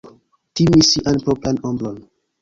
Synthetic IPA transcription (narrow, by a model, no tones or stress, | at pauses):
timisiʔanpoplanombɾon